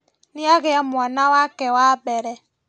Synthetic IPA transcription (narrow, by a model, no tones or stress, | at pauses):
niaɣejamuanawakɛwabɛɾɛ